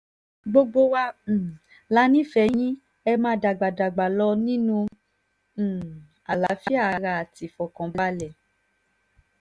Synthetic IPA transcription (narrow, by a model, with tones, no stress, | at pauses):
ɡ͡bo˧ɡ͡bo˧wa˦˨ | la˦nĩ˦fɛ˧˦j̃ĩ˦ | ɛ˧mãː˧˦da˨ɡ͡ba˨da˨ɡ͡ba˨lɔ˧nĩ˦nũ˦˧˨ | a˨la˨˦fi˦a˦˨˦ɾa˧a˨ti˨fɔ˨kɔ̃˨ba˦lɛ˨